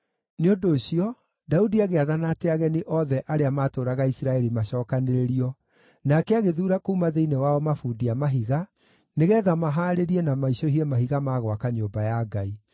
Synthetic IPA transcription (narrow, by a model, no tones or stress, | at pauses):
neodoːɕiɔ | daudiaɣeaðanateaɣɛneʔɔðɛʔaɾeamaːtoːɾaɣaisɾaɛɾimaɕɔːkaneɾeɾiɔ | nakɛaɣeðuːɾakoumaðeinewaɔmafudiamaɦiɣa | neɣɛːðamaɦaːɾeɾiɛnamaiɕɔɦiɛmaɦiɣamaːɣwakaɲoːmbajaɡai